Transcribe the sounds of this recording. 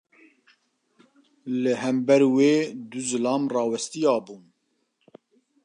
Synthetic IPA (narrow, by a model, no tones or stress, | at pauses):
lɨhɛmbɛɾweːd̪uzɨlɑːmrɑːwɛst̪ijɑːbuːn